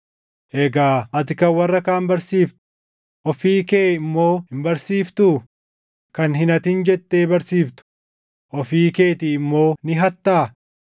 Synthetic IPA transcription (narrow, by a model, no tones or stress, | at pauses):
ʔɛɡaːɐt̪ɪkɐwɐrːɐkaːmbɐɾsiːft̪ʊ̥ | ʔɔfiːkeːɪmːo̞ːhɪmbɐɾsiːft̪ʊ | kɐnɦɪnɐt̪ɪnd͡ʒɛt̪ːeːbɐɾsiːft̪ʊ̥ | ʔɔfiːke̞ːt̪ɪɪmːo̞ːnɪɦɐt̪ːaː